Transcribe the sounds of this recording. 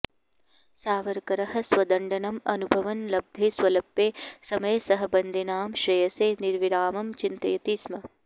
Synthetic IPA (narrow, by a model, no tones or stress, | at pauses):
saːʋɐɾkɐɾɐɦɐ̆sʋɐd̪ɐɳɖɐnɐmɐnubʱɐʋɐnlɐb̚d̪ʱeːsʋɐlɐpːeːsɐmɐjɐsɐɦɐ̆bɐnd̪ʱinaːmʃɾɐjɐseːniɾʋiɾaːmɐmt͡ʃint̪ɐjɐt̪iːsmɐ